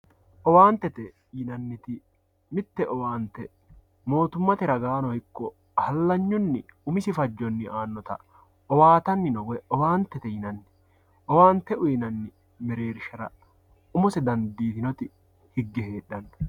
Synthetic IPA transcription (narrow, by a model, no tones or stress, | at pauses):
ʔɔwaːnt̪ːɛt̪ɛ | jɪnɐnːɪt̪ɪ | mɪt̪ːɛʔɔwaːnt̪ɛ | mo̞ːt̪ʊmːɐt̪ɪɾɐɡaːnɔhɪkːɔ | hɐlːɐɲːʊnːɪʊmɪsɪfɐd͡ʒːɔnːɪʔaːnːɔt̪ɐ̰ | ɔwaːt̪ɐnːɪnɔwɛɔwaːnt̪ːɛt̪ɛjɪnɐnːɪ̥ | ɔwaːnt̪ɛʔʊjɪnɐnːɪ | mɛɾe̞ːɾɪʃɐɾɐ̰ | ʊmʊsɛd̪ɐnd̪iːt̪ɪnɔt̪ɪ | hɪɡːɛhe̞ːᶑːɐn